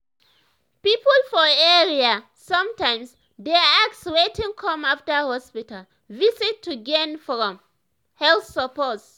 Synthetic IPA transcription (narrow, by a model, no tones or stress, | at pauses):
pipəlfɔɛɹia | sɔ̃mtãɪ̃ms | dɛak̚tswetĩŋkʰɔ̃maftəhɔspital | visitʰːuɡɛnfɹɔ̃m | hɛlθsəpɔts